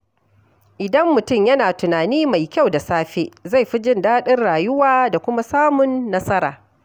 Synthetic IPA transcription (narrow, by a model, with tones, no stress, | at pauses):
ʔɪ˨dɐ˦mːʊ˨tʊ˦˨mjɐ˦naː˨tʊ˨naː˨niː˦ma˨jkʲa˦˨wda˨saː˦ɸeː˦za˦˨jɸi˦d͡ʒɪ˦˨ndaː˦ɗɪ˦rɽaː˨jʊ˦waː˦da˨kʷʊ˦ma˦saː˦mʊ˨nːɐ˦sɐ˦ɾa̰ː˨